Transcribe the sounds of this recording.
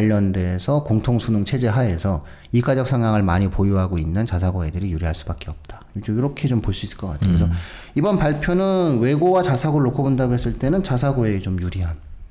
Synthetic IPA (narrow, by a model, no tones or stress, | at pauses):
ʎːʌndesʰʌkoŋtʰoŋsʰunuŋt͡ɕʰe̞d͡ʑe̞ɦae̞sʰʌ | iɡad͡ʑʌk̚s͈ʰaŋaŋɯɭmaɲipojuɦaɡoinːɯnt͡ɕasʰaɡoedɯɾijuɾiɦaɭs͈u̥bak͈e̞ʌp̚t͈ḁ | id͡ʑoiɾʌkʰe̞t͡ɕompoɭs͈uis͈ɯ̥ɭk͈ʌk͈a̰tʰekɾesʰʌ | ibʌnpaɭpʰjonɯnwe̞ɡowat͡ɕasʰaɡoɾɯɭːokʰobondaɡoɦe̞s͈ɯɭt͈e̞nɯnt͡ɕas̬ʰaɡoe̞ɡet͡ɕomjuɾiɦan